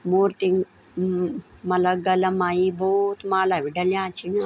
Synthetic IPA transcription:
moːɾt̪iŋ | mɐlɐɡɐlɐmajibot̪maːlaʋiɖɐljãːt͡ʃʰiŋa

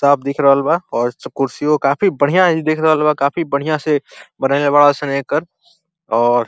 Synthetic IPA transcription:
saːb̚d̪eːkʰɾɐɦəlbaɔːɾkʊɾsiokaːfibəɽ̤ijãɦid̪eːkʰɾɐɦəlbakaːfibəɽ̤ijãsebənaːlebaːɭasɐnẽkəɾ | ɔːɾ

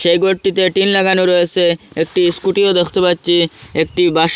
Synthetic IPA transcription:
ʃejɡoʈʈit̪eʈinlaɡanoɾɔet͡ɕʰeek̚ʈiskuʈiod̪ekʰt̪opatːɕʰiek̚ʈibaʃ

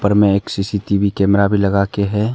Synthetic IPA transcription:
pəɾmẽeːksiːsiʈiʋikɛːmɾabʱilɐɡaːkeɦɛː

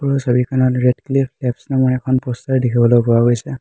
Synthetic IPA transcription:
kɔɹɔsabikʰanɔtɹɛdklipʰlɛpsnamɔnɛkʰɔnpɔstaɹdikʰibɔlojpɔwaɡojsɛ

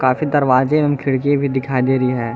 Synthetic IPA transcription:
kaːfid̪ɐɾʋaːd͡ʒẽmmkʰɪɽk̬ẽbʱid̪ɪkʰaːid̪eːɾəiɦɛː

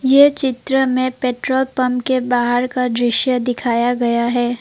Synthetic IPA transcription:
jet͡ʃɪt̪ɾəmẽpeːʈɾoːlpɐmkebaːɦəɾkad̪ɾɪʃjəd̪ɪkʰaːjaɡɐjaɦɛː

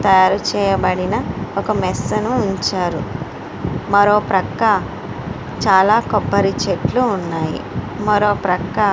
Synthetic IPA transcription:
t̪ɐjaːɾut͡ʃɛːjɐbɐɽinɐɔkɐmɛsːɐnuːɲt͡ʃaːɾu | mɐɾo̞ːpɾɐkːɐ | t͡ʃaːlaːkɔpːɐɾit͡ʃeʈluːnːaːjḭ | mɐɾo̞ːpɾɐkːɐ

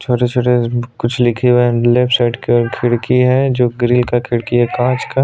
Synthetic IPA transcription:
t͡ʃʰoːʈet͡ʃʰoːʈekʊt͡ʃʰlɪkʰiweleːpʰsaɪʈkeːɾkʰɪɽkiɦɛd͡ʒoːɡɾiːlkakʰɪɽkiɦɛkãːt͡ʃka

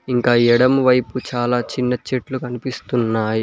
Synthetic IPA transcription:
iŋkaːɛɽɐmʋɐjput͡ʃaːlaːt͡ʃinːɐt͡ʃeʈlukɐnipist̪unːaːji

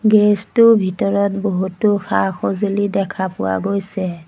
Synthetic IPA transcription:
ɡɹestʊbʱitɔɹɔtboɦutʊxaxɔzulidɛkʰapʊ̰wa̰ɡojsɛ

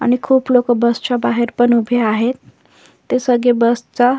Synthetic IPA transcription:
a̰nikʰublokobʌst͡ʃabaɦeɾpʌnubʱeaɦet̪ː | esəɡebʌst͡sa

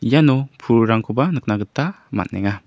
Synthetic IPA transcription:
janɔpʰuɾɾaŋkʰɔbanɯk̚naɡɯta | ma̰t̚nɛŋa

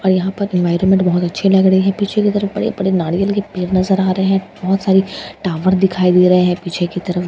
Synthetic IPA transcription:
ɔːɾjɐɦãpɐɾɪ̃nʋaːɪɾõnmẽɳʈbɐɦʊt̪ɐtːʃʰelɐɡɽəiɦɛ̃piːt͡ʃʰekit̪ɐɾəfbɐ̰ɽḛbɐɽenaːɽijəlkepeːɾnɐzəɾaːɾɐɦeɦɛ̃bɔɦʊt̪saːɾiʈaːʋəɾd̪ɪkʰaːid̪eːɾɐɦeɦɛ̃piːt͡ʃʰekit̪ɐɾəf

